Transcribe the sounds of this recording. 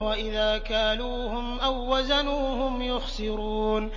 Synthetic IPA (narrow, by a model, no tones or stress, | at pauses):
waʔɪðaːkaːnuːhʊmʔawːazanuːhʊmjʊxsɪɾuːn